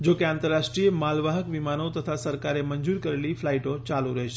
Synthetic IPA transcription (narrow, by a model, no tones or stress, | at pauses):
d͡ʒokeãnt̪əɾːaʃʈɾiemalʋaɦəkʋimanot̪ət̪ʰasəɾkaɾeməɲd͡ʒuɾkəɾeliflaiʈot͡ʃaluɾəɦet͡ʃʰe